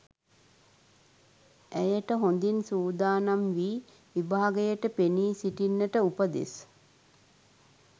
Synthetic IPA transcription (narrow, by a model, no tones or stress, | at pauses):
æjəʈəɦond̪insuːd̪aːnamʋiː | ʋibaːaɡəjəʈəpeniːsiʈinːəʈəupəd̪ḭs